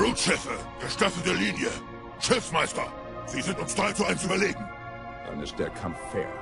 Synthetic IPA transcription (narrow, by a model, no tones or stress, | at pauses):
ʁutʃɛfə | ɡ̥əʃtafl̩təliːnjə | ʃɪfmaɪstɐ | z̥iːzɪ̃ntʊmsd̥ʁaɪt͡suaɪnsyːbɐleːɡŋ̩ | ða̰nɪsdɛkʰãmfɛ̰